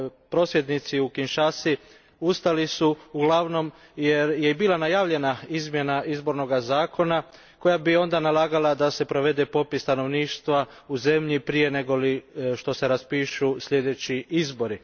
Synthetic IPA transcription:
pɾo̞sʋje̞d̪nit̪siukinʃasi | ust̪alisuuɡlˠaʋno̞m | je̞ɾje̞biːlˠanajaːʋʎe̞naizmje̞naʔizbo̞ɾno̞ɡazaːkʰo̞na | ko̞jabio̞nd̪analˠaːɡalˠad̪ase̞pɾo̞ʋe̞d̪e̞po̞pist̪ano̞ʋniːʃt̪ʋa | uze̞mʎipɾije̞ne̞ɡo̞liʃt̪o̞se̞ɾaspiːʃusʎe̞d̪e̞t͡ɕiizbo̞ɾi

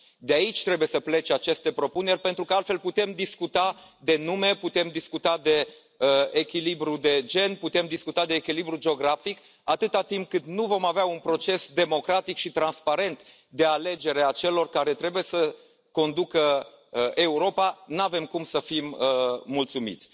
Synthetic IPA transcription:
d̪eait͡ʃʲt̪ɾebuje̞səple̞t͡ʃat͡ʃe̞st̪e̞pɾo̞pune̞rʲpe̞nt̪ɾukəalt̪fe̞lput̪e̞md̪iskut̪ad̪e̞nume̞put̪e̞md̪iskut̪ad̪e̞ | əːkʲilibɾud̪e̞d͡ʒe̞nput̪e̞md̪iskut̪ad̪e̞ːkʲilibɾud͡ʒeo̞ɡɾafik | at̪ɨt̪at̪imp̚kɨt̪nuvo̞maveaunpɾo̞t͡ʃe̞sd̪e̞mo̞kɾat̪ikʃit̪ɾanspaɾe̞nt̪ | d̪e̞ale̞d͡ʒe̞ɾe̞at͡ʃe̞lo̞rkaɾe̞t̪ɾe̞buje̞sə | ko̞nd̪ukə | e̞uɾo̞panave̞mkumsəfiməːult̪sumḭt̪sʲ

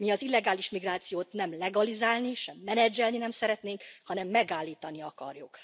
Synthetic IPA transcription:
miɒzilːɛɡaːliʃmiɡraːt̪sijoːt̪nɛmlɛɡɒlizaːlniʃɛmːɛnɛd͡ʒːɛlninɛmsɛɾɛt̪neːŋkhɒnɛmːɛɡaːlːiːt̪ɒniɒkɒ̰rjuk

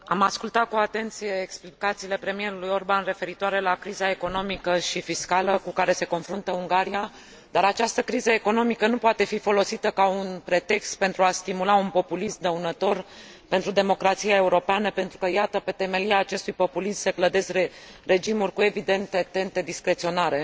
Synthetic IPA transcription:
a̰maskult̪at̪̚kuat̪e̞nt̪sije̞ːksplikat̪siːle̞pɾe̞mije̞ɾulujo̞rbanre̞fe̞ɾit̪oaɾe̞lakɾizae̞ko̞no̞mikəʃifiskaləkukaɾe̞se̞ko̞nfɾunt̪əuŋɡaɾia | d̪aɾat͡ʃast̪əkɾizəeko̞no̞mikənupoat̪e̞fifo̞lo̞sit̪əkaunpɾe̞t̪e̞kst̪̚pe̞nt̪ɾuast̪imulaunpo̞pulismd̪əunət̪o̞r | pe̞nt̪ɾud̪e̞mo̞kɾat̪sijae̞uɾo̞peanəpe̞nt̪ɾukəjat̪əpe̞t̪e̞me̞liaːt͡ʃe̞st̪ujpo̞pulismsəkləd̪e̞se | re̞d͡ʒimurʲkue̞vid̪e̞nt̪e̞t̪e̞nt̪e̞d̪iskɾet̪sio̞naɾe̞

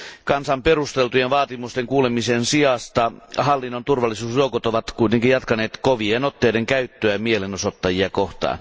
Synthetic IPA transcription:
kɑnsɑmperust̪elt̪ujenʋɑːt̪imust̪eŋkuːlemisensiɑst̪ɑhɑlːinːont̪urʋɑlːˑisuːsjoukot̪oʋɑt̪kuit̪eŋkijjɑt̪kɑneːt̪koʋienot̪ːeideŋkæyt̪ːøæmielenosot̪ːɑjiɑkoht̪ɑ̰ːn

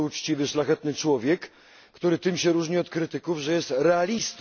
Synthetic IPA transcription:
ut͡ʂt͡ɕivɘʂlaxɛt̪nɘt͡ʂwɔvʲjɛkː | t̪uɾɘt̪ɘmɕɛɾuʐɲiɔt̪kɾɘt̪ɘkuvʐɛjɛst̪ɾɛalʲist̪

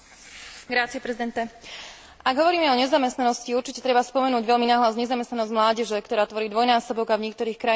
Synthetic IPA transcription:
ɡɾat͡siɛpɾɛzid̪ɛnt̪ɛ | ʔaɡɦɔʋɔɾiːmɛɔɲɛzamɛst̪nanɔsciuɾt͡ʃicɛt̪ɾɛbaspɔmɛnuːɟʋɛʎminaːɦlazɲɛzamɛst̪nanɔzɟmlaːɟɛʒɛkt̪ɔɾaːt̪ʋɔɾiːd̪ʋɔjnaːsɔbɔɡavɲɛkt̪ɔɾiːxkɾa

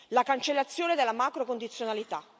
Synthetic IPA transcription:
lakant͡ʃelːat̪sːjoːned̪elːamaːkɾokond̪it̪sːjonalit̪a

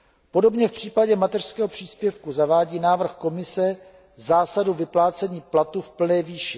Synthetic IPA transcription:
po̞do̞bɲɛfpr̝̥iːpaɟɛmat̪ɛr̥skɛːɦopr̝̥iːspjɛfkuzavaːɟiːnaːvr̩xko̞mɪsɛ | zaːsaduvɪplaːt͡sɛɲiːplat̪ufpl̩nɛːviːʃɪ

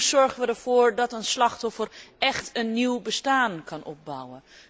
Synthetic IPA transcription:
sz̥ɔɹχənʋədɛɹv̥ʊːɹdɑtənslɑχtɔfərɛχtənːiwbəstaːnkɑnʔɔp̚bʌwən

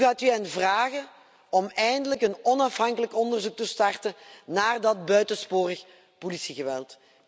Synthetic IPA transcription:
ɣaːtyɛnvraːɣə | ɔmɛjndələkənɔnɑfɦɑŋkələkɔndərzuk̚təstɑrtənaːrdɑt̚bœɥtəspoːrəx | polisiɣəʋɛlˠt

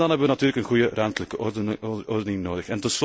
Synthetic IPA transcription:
dɑnɦɛbəʋənɑtyːrləkənɣujərœmtələkə | ɔrdənɪŋnoːdəxɛntɔns

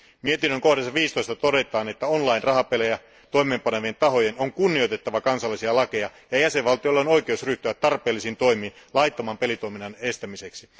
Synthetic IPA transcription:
mie̞t̪inːøŋko̞hdesːɑʋiːst̪oist̪ɑt̪o̞de̞t̪ˑɑːnet̪ːæonlɑinrɑhɑpelejæ | t̪o̞jmeːmpɑneʋent̪ɑɦo̞jenoŋkunːiojt̪e̞t̪ːɑʋɑkɑnsɑlːisiɑlɑkejɑjɑjæseʋʋɑlt̪ijolːeono̞jk̟eousryht̪yʋæt̪ːɑrpeːlːisint̪o̞jmiːnlɑjt̪ːɑmɑːmpe̞lit̪oiminːɑne̞st̪æmise̞ksi

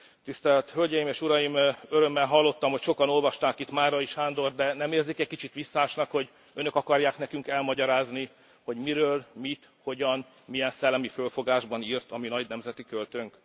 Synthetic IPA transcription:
t̪ist̪ɛlt̪hølɟɛjimeːʃuɾɒjimøɾø̞mːɛlɦɒlːo̞t̪ːɒmho̞cʃo̞kɒno̞lvɒʃt̪aːkit̪maːrɒiʃhaːnd̪o̞rd̪ɛnɛmeːrzikɛc̚kit͡ʃit̪ʋisːaːʃnɒkho̞ɟ | ø̞nøkɒkɒrjaːknɛkyŋkɛlmɒɟɒɾaːzni | ho̞ɟmiɾøːlmit̪ | ho̞ɟɒn | mijɛnsɛlːɛmifølfo̞ɡaːʒbɒniːrt̪ɒminɒɟnɛmzɛt̪ikølt̪øŋk

